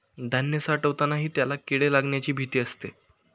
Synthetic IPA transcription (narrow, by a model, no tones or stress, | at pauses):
d̪ʱənjəsaʈəʋt̪anaɦiːt̪jalakiɽelaɡɳjat͡ɕiːbʱit̪iːəst̪e